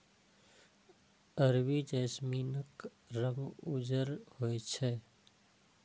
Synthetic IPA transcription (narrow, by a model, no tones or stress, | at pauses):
əɾwid͡ʒeːsmiːnək | ɾəmʊd͡ʒəɾhojt͡ʃʰɛ